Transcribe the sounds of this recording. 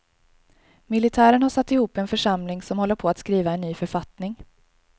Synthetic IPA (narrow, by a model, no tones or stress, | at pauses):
mɪlɪt̪ʰæːɾəɳhaʂat̪ːɪhuːpːɛnfœʂamlɪŋsɔmhɔlːəɾpʰɔat̪skɾiːvaɛnːyːfœɾfat̪nɪŋ